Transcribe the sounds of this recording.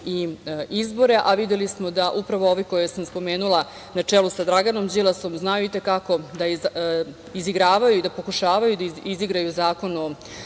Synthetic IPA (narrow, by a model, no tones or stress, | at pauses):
iizbo̞ɾe̞ʔaʋid̪elismo̞d̪aʔupɾaʋoo̞ʋikojesamspo̞meːnulˠa | nat͡ʂelusad̪ɾaɡano̞md͡ʑilaso̞mznajuit̪e̞kako̞d̪a | iziɡɾaːʋajuid̪apo̞kuʃaːʋajud̪aiiziɡɾajuzaːko̞no